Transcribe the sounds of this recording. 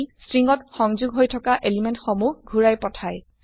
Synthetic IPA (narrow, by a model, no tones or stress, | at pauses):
stɹiŋɡɔtxɔŋzuɡɦojtʰɔkaʔelimentxomuhɡʱuɹajpɔtʰaj